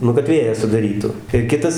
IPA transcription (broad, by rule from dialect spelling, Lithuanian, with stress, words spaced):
ˈnʊ kɐt ˈʋʲeːjæː sʊdɐˈrʲiːtʊ ɪr ˈkʲɪtɐs